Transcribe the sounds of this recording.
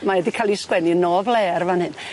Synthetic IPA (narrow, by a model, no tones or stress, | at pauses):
maɛdikʰalˠiskwɛninɔvlˠɛːrvanhɨn